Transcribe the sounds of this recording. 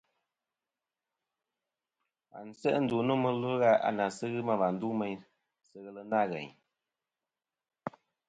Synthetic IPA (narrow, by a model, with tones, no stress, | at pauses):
a̰˨n̩˨sɛ̰˦ʔn̩˦du˨nu˦mə˦lə˦ɣa˦a̰˨na˨sɨ˦ɣɨ˦ma˨va˨n̩˦du˦mɛ˨ɲ | sɨ˦ɣɛ˦lə˦na˦ɣɛ̰˨ɲ